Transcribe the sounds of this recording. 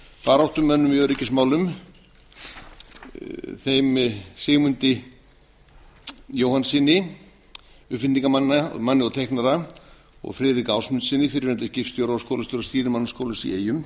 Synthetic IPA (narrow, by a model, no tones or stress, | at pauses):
faːɾawht̪ʏmːɛnːʏmjœɾɪcɪsmaːwlʏm | θejmsɪːɣmʏnt̪ɪ | joːwhansinːɪ | ʏhfɪniŋkamanːa̰manːɪɔwt̪ʰejhknaɾa | ɔ̰ɣfɾɪːðɾikaːwsmʏnt̪sɪnːɪfɪɾɪɾvɛnt̪ɪscɪftst̪jowɾawskoːwlast̪ʏɾɔst̪iːɾɪmanːɪskowlʏmsḭeːjʏm